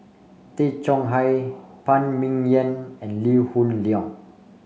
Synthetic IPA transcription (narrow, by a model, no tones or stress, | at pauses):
t̪et͡ʃɔ̃ŋɦajpãnmĩŋjə̃nɛ̃nlihũnliɔ̃ŋ